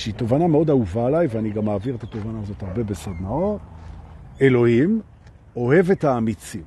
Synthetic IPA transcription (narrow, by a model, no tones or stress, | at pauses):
ʃeiːtovanameo̞dauvaːlajveaniɡamːaːviʁet̪at̪ovanaːzo̞thaʁbebesad̪nao | e̞lo̞him | o̞he̞ve̞taːmit͡sim